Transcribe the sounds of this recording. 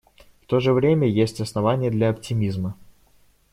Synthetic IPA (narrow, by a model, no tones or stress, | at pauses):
ft̪o̞ʐɨvɾʲemʲəjesʲtʲɐsnɐvanʲɪjəd̪lʲɐɐptʲɪmʲizmə